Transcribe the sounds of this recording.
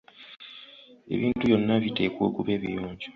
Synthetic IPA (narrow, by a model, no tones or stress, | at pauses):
e̞̰βiːntujo̞nːaβite̞ːkoːkuβe̞ːβijoːɲɟo